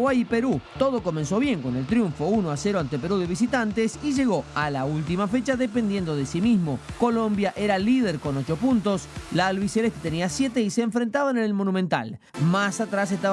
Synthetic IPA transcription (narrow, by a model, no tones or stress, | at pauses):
ajipe̞ɾut̪o̞ð̞o̞ko̞menso̞βje̞ŋko̞ne̞lt̪ɾjuɱfo̞uno̞ase̞ɾoant̪epe̞ɾuðe̞β̞is̬it̪ant̪esiʒe̞ɣo̞alault̪imafe̞t͡ʃaðepend̪je̞nd̪o̞ð̞esimizmo̞ko̞lo̞mbjaʔe̞ɾalið̞eɾko̞no̞t͡ʃo̞punt̪o̞slaːlβiseleht̪et̪eniasje̞t̪e̞iseːɱfɾẽ̞nt̪aβaenelmo̞nũmẽnt̪a̰l | masat̪ɾas̬est̪a